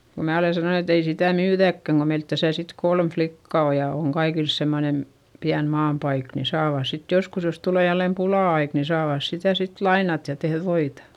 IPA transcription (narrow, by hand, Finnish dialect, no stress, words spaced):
ko mæː ole sɑnon et ei sitæˑ myːðækːæŋ ko meilt tæsæ sit kolm flikːɑ o jɑ oŋ kɑikils semːonen piæn mɑːmpɑik ni sɑːʋɑˑs sit joskus jos tuleˑ jælːem pulɑˑɑik ni sɑːʋɑˑs sitæ sit lɑinɑt jɑ tehð ʋoitɑ